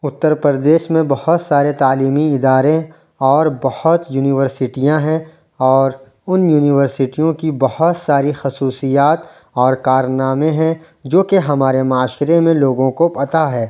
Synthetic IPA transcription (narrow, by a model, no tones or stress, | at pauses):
ʊt̪ːəɾpəɾd̪eːʃmẽbɐhʊt̪saːɾet̪aːliːmiɪd̪aːɾẽ | ɔːɾbɐhʊt̪juːnɪʋəɾsɪʈijãɦɛ̃ | ɔːɾ | ʊnjuːnɪʋəɾsɪʈijõkibɐhʊt̪saːɾixɐsuːsijaːt̪ | ɔːɾkaːɾnaːmẽɦɛ̃ | d͡ʒoːkeɦɐmaːɾemaːʃɾemẽloːɡõkopɐt̪aɦɛː